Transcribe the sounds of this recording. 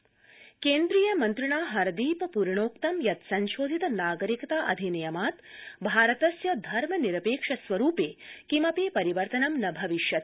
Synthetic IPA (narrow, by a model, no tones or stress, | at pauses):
keːnd̪ɾijɐmɐnt̪ɾiɳaːɦɐɾɐd̪iːpɐpuɾɐɳoːkt̪ɐmjɐt̪sɐnʃoːd̪ʱit̪ɐnaːɡɐɾikɐt̪aːʔɐ̰d̪ʱinɐjɐmaːt̪bʱaːɾɐt̪ɐsjɐd̪ʱɐɾmɐniɾɐpeːkʂɐsʋɐɾuːpeːkimɐpeːpɐɾiʋɐɾt̪ɐnɐmnɐbʱɐʋiʃjɐt̪̚